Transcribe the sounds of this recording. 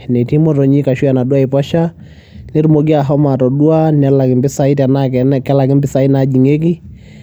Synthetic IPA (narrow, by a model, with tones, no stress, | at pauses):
nɛ˨ti˦mɔ˦tɔ˨ɲi˦ka˨ʃu˦ja˨na˨du˦a˦i˨pɔ˦ʃa˦ | ni˦ɾmo˨ɡi˦a˨ɦɔ˦ma˨tɔ˨ɗu˦a˦nɛ˦la˨ki˨mbɪ˦sa˦i˦tɛ˨nakkɛ˦la˨k̬ɪ˦mbɪ˦sa˨i˦na˦d͡ʒi˨ŋe˦k̬i˦